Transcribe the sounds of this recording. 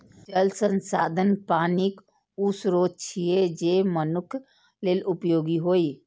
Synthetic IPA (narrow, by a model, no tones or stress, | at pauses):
t͡ʃəlsə̃nsaːd̪ʱənpaːnik | ʊsɾoːd͡ʒ̚t͡ʃʰied͡ʒeːmənʊkʰ | leːlʊpjoːɡiɦoːi